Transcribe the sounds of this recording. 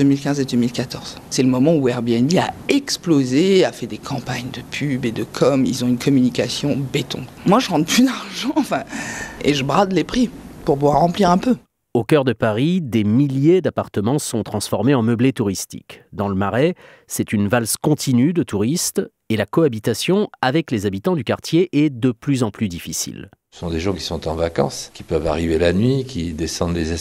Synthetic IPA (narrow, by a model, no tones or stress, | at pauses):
ømilkʲɛ̃zed̪ømilkat̪ɔʁz̥ | sɛləmɔmɑ̃uɛʁbeɛnbiaɛksplozeafɛd̪ekʰɑ̃paɲd̪əpʰybed̪əkʰɔmilzɔ̃ynkʰɔmynikʲasjɔ̃bet̪ɔ̰̃ | mwaʒəʁɑ̃t̪plyd̪aʁʒɑ̃ːfɛ̃eʒəbʁad̪lepχipuʁpuvwaʁːɑ̃pliʁɛ̃pø | okœʁd̪əpaʁid̪emiljed̪apaʁt̪əmɑ̃sɔ̃t̪χɑ̃sfɔʁmeɑ̃məblet̪uʁist̪ḭkd̪ɑ̃ləmaʁɛ | sɛt̪ynvalskɔ̃t̪ʰinyd̪ət̪ʰuʁist̪ | elakɔabit̪asjɔ̃avɛklezabit̪ɑ̃d̪ykaʁt̪jeʔɛd̪əplyzɑ̃plyd̪ifisḭl | ə̥sɔ̃d̪eʒɑ̃ki̥sɔ̃t̪ɑ̃vakɑ̰̃skʲi̥pœva̰ʁivelanɥikʰʲid̪esɑ̃d̪lezɛ